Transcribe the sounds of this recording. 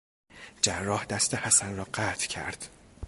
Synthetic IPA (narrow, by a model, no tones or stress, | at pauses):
d͡ʒærːɒːhd̪æst̪ehæsænrɒːɢæːt̪ʰcʰæ̰ɾd̪̥